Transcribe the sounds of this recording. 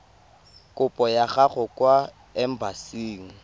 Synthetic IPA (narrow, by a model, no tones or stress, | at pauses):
kʼʊpʼɔjaɣaχʊkʼwa | ɛm̩basiːŋ̩